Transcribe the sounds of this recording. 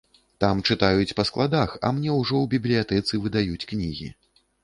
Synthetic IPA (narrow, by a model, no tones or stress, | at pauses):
t̪amt͡ʂɨt̪ajut͡sʲpɐsklˠad̪axɐ̰mnʲɛwʐɔwbʲiblʲijat̪ɛt̪sɨvɨd̪ajut͡sʲknʲiɣʲḭ